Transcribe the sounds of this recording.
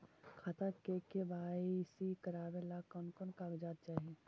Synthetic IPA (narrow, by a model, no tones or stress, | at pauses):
kʰaːt̪akekebaːisikəɾaːbelakɔnkɔnkaːkd͡ʒaːt̪̚t͡ʃaːɦie